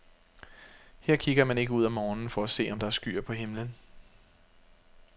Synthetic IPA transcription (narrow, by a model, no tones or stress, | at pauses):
heɐ̰kʰiɡ̥ɐmæne̝ɡ̥əuð̞̰ˠɒmːɒːnn̩fɒ̽æse̝̰ːɒ̽md̥ɑ̈æɐsɡ̥y̰ːɐ̰pʰɒ̽ɦe̝mlən